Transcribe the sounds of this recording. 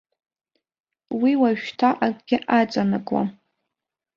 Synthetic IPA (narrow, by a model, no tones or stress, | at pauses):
wiwaʒᶣtʰaʔakʼɡʲɪʔat͡sʼanɨkʼwa̰